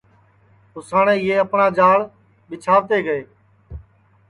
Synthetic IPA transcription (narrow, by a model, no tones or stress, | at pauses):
ʊsaːɳẽːɪeːəpɳãːd͡ʒaːɭ | ɓɪt͡ʃʰaːʋt̪eːɡəeː